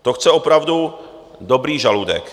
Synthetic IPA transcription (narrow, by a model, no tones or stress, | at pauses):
t̪oxt͡sɛopɾavdu | dobɾiːʒaludɛ̰k